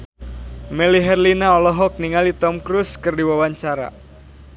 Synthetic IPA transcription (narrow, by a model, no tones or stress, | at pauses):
mɛliɦɛrlinaɔlɔɦɔk̚niŋalit̪ɔmkɾuskərdiwawaɲt͡ʃaɾa̰